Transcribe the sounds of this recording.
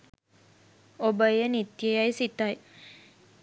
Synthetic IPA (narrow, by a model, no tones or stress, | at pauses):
obəjənit̪jəjajsit̪aj